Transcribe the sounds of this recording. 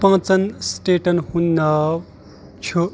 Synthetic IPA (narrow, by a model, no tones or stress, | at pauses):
pʌ̃t͡sʌnsʈeʈʌnhunːʌ | t͡sʰo